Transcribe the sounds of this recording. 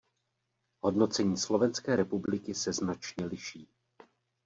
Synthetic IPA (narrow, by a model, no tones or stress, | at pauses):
ɦo̞dno̞t͡sɛɲiːslo̞vɛnskɛːɾɛpublɪkɪsɛznat͡ʃɲɛlɪʃiː